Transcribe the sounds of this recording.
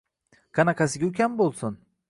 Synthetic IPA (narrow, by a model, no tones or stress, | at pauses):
kʰanakʰasɪɡʲaʊkʲambolˠsʊn